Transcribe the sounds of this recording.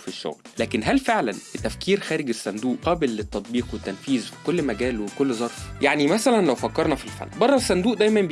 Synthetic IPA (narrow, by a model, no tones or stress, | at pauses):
fiʃːo̰ɣllæːkenɦælfeʕlænbet̪ːæfkiːɾxæːɾeɡesːænd̪uːʔqæːbelːet̪ːɑt̪̚ˤbiːqwet̪ːænfiːzfi̥kolːmæɡæːlwekolːzˤɑɾˤfjaʕnimæsælænlæwfækːɑɾˤnɑfilfæ̰nːbɑrˤːɑsːænd̪uːʔd̪æjmæn